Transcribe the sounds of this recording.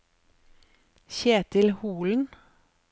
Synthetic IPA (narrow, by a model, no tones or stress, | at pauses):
çeːt̪ʰɪlhuːln̩